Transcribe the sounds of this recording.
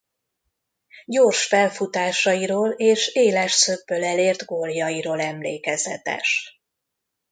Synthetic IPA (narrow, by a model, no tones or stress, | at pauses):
ɟoːrʃfɛlfut̪aːʃɒjiɾoːleːʃeːlɛʃsøbːølɛleːrd̪ɡoːljɒjiɾoːlɛmlḛːkɛzɛ̰t̪ɛ̰ʃ